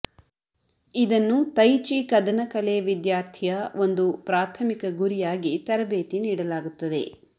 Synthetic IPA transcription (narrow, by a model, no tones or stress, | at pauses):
id̪ɐnːut̪ɐjt͡ʃikɐd̪ɐnɐkɐleʋid̪jaːɾt̪ʰijɐʋo̞nd̪upɾaːt̪ʰɐmikɐɡuɾijaːɡit̪ɐɾɐbeːt̪iniːɽɐlaːɡut̪ːɐd̪e̞̰